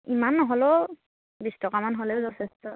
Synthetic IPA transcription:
imanːɔɦɔlɔ | bistɔkamanɦɔlɛzɔtʰɛstʰɔ

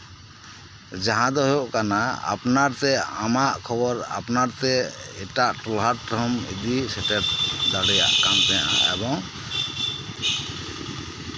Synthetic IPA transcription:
d͡ʒaɦãd̪ɔɦɔjoʔkanaa̰pnaɾt̪ɛamaʔkʰɔbɔɾa̰pnaɾt̪ɛɛʈaʔʈulɦaɾɾɔmḭd̪isɛʈɛʈ̚d̪aɽɛja̰ʔkamt̪ɛa̰ʔa̰ʔɛ̰bɔŋ

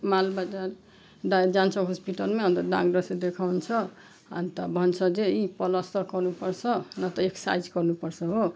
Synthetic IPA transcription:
malbad͡zaɾ | ɖad͡ʒant͡sʰʌɦospiʈʌlmeʌ̃nt̪ʌɖa̰ɡɖʌsed̪ekʰawnt͡ʃʰʌ | a̰nt̪ʌbʱʌnt͡sʰʌd͡zeipʌlʌst̪ʌkʌɾnupʌɾsʰʌnʌt̪ʌeksa̰jd͡ʒkʌɾnupʌɾsʰʌɦo

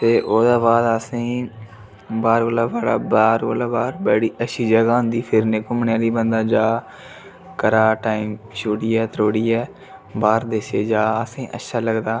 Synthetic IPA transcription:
t̪eːʔoːd̪aːʋaːd̪asĩː | baːɾɡoːlaːbaːɽaːbaːɾkoːlaːbaːɾbəɽiːʔəʃʰiːd͡ʒəɡaːɦʊ̃nd̪iːpʰɪɾneːkomnjaːliːbənd̪aːd͡ʒaː | kəɾaːʈaːimʃoːɽiːɛːt̪ɾoːɽiːɛː | baːɾd̪eseːd͡ʒaːəsĩːʔə̰tːʃʰaːləɡd̪aː

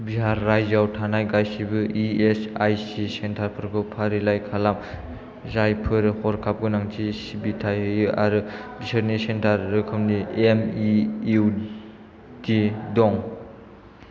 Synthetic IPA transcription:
biɦaɾːajzawtʰanajɡajsibɯʔiesajsisentʰaɾpʰɯɾkɯpʰaɾilajkʰalam | zajpʰɯɾhɔɾkʰap̚ɡɯnaŋtʰisibitʰajɯjɯʔa̰ɾɯbisɯɾnisentʰaɾːɯkʰɯmniemiu | didɔŋ

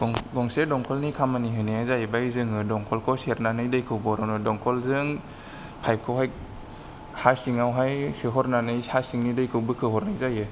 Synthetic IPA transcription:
ɡɔŋsedɔŋkʰɔlnikʰamaniɦɯnɯjazajbajzɯŋɯdɔŋkʰɔlkʰɔseɾnanɯjdɯjkʰɯwbɔɾɔnɯdɔŋkʰɔlzɯŋ | pʰajp̚kʰɔwɦaj | hasiŋawɦajsɯɦɔɾnanɯjhasiŋnidɯjkʰɯwbɯkʰɯɦɔɾnɯjzajɯ

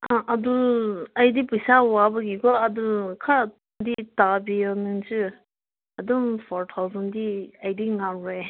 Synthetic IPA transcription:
aʔaduajdipɯjsawabaɡiɡɔadukʰaɾa | ditabiɔnɯŋt͡ʃɯ | adɔmpʰɔɾtʰawzɔndiajdiŋamɾe

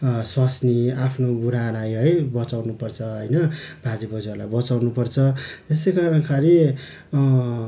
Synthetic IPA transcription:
swasniapʰnoɡuɾanajɦʌjbʌt͡sawnupʌrt͡sʰʌɦʌjnʌbʱad͡zibʌd͡zalabʌt͡sawnupʌrt͡sʰʌt̪esejkaɾʌ̃kʰaɾi

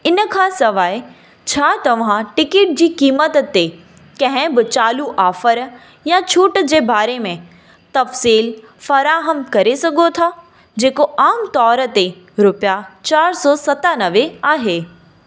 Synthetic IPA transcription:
ɪnə̆kʰãːsɐʋaːe | t͡ɕʰaːt̪ɐʋ̤ãʈɪkeːʈ̚d͡ʑiːkiːmət̪t̪e | kɐ̃ɦɪ̃bɪt͡ɕaːluʔaːfəɾ | jat͡ɕʰuːʈd͡ʑeːbaːɾemẽ | t̪ɐfsiːl | fɐɾaːɦəmkɐɾesɐɡʱot̪ʰaː | d͡ʑeːkoʔaːmt̪ɔːɾət̪e | ɾʊpjat͡ɕaːɾsɔːsɐt̪anɐʋeaːɦeː

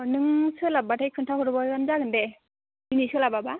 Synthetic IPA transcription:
nɯŋsɯlabatʰajkʰɯntʰaɦɯɾbɔɡanzaɡɯndɛ | inisɯlababa

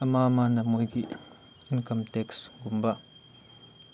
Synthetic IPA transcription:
ɐmamanɐmojɡi | inkɐmtɛksɡumba

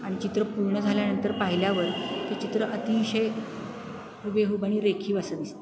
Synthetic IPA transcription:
aɽ̃it͡ɕit̪ɾəpuɾɳəd͡zʱaljanənt̪əɾpaɦiljaʋəɾt̪et͡ɕit̪ɾəʔət̪iʋɕəj | ɦubeɦubaɽ̃iːɾekʰiːʋasəd̪ist̪e

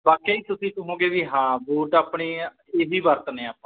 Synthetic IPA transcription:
baːkeːiːt̪ʊsiːt̪ũːɦõːɡeːʋiːɦãːbuːʈaːpɳiː | eːɦiːbəɾt̪nẽːaːpːãː

